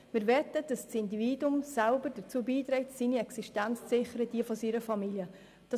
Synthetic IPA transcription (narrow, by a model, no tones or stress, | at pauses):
mɪːɾvɛtəd̥ɑssɪndiviːdʊmsalbəɾdəɾt͡suːbiːtɾɛɪtsiːniɛksiʃtænt͡st͡sɪχəɾəd̥iəfɔsiɾəfɑmiljə | d̥ɑ